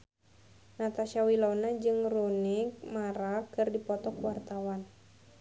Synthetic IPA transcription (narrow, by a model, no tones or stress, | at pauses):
nat̪aʃawilanad͡ʒɨŋrunɪk̚maɾakɨrdipɔt̪ɔkwart̪awan